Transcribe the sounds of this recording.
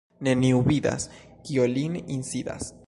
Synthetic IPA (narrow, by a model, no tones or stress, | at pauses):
neniuβid̪a̰skiolininsid̪a̰s